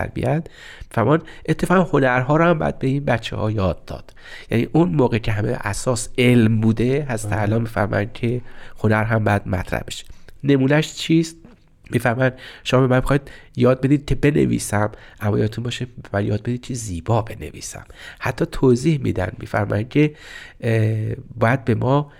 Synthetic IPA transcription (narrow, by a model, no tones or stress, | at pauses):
æ̰ɾbḭjænd̪ | mifæɾmɑːnd̪ʔe̞t̪ʰːefɒːɣæmhonæɾɦɒːɾɔhæmbæ̰d̪̚be̞iːnbæt͡ʃʰːḛhɒ̰ːjɒːd̪ːɒ̰ːd̪̥ | jænḭːʔunmoːɣecʰe̞ɦæmḛʔæsɒːselmbuːd̪eɦæzɾæt̪ʰeælɒːnmiːfæɾmɒ̰jænd̪̚cʲʰehonæɾɦæmbæd̪mæ̰t̪ʰɾæ̰hbeʃe̥ne̞muːnæʃt͡ʃʰiːst̪ | miːfæɾmɒːjænd̪ʃomɒːbemænmexɒjd̪̥jɒːd̪̚be̞d̪iːd̪̚kʰe̞be̞nḛvḭːsæmʔæmːɒːjɒ̰d̪et̪unbɒːʃebemænjɒːd̪̚be̞d̪iːd̪̥̚kʰeziːbɒːbe̞nḛvḭːsæ̰mhæt̪ʰːɒːt̪ʰoziːhmḭːd̪æ̰nd̪mḭːfæ̰ɾmɒ̰jæn̥̚cʲʰe̞ | bɒːjæd̪̚be̞mɒː